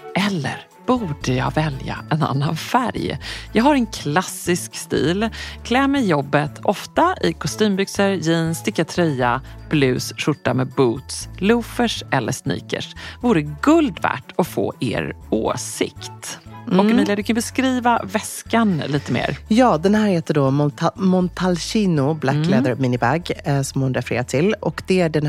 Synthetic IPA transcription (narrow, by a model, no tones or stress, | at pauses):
ʔɛlːə̰ɾ | b̥uːɖəjɑ̰ːvɛlja̰ɛna̰nːanfæ̰ɾjjɑːɡhaɾɛnkʰlasːɪskst̪ḭːlkʰlɛːmɛjːɔbːət̪ʰɔft̪aʔɪkʰɔst̪yːmbʏksəɾjɪːnst̪ɪkːat̪ʰɾɛjːab̥lʉ̟ːsʂʊʈːamɛːbuːt̪slʉːfəʂʔɛlːəʂnḭːkə̰ʂvuːɾəɡɵld̪væ̰ːʈɔfo̰ːʔḛːɾo̰ːsɪ̰kt̪ɔɛmiːljad̪ɵkʰanbɛskɾiːvavɛskanliːt̪əmḛːɾjɑːd̪ɛnhæːɾheːt̪əɖɔmt̪mɔnt̪ʰalɕiːnʊblakːlɛːd̪əɾmɪnɪbæɡsɔmhʊnɾɛfɛɾḛːɾat̪ʰɪlɔ̰kd̪̥ɛæɖɛn